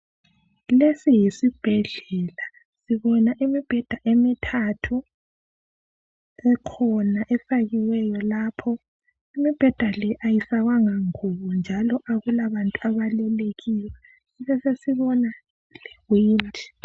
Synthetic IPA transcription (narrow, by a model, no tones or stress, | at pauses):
lesijisib̥ʱɛɮɛla | siβɔnaʔimib̥ʱɛd̥ʱaʔemitʰatʰu | ɛkʰɔnaʔɛfaɣiwɛjɔlapʰɔ | imib̥ʱɛd̥ʱalɛʔajisaɣwaŋaŋuβɔnd͡ʒʱalɔʔaɣulaβantʼuaβalɛleɣiwɛ | iβɛsesiβɔna | lɛɣwiːndʱi̥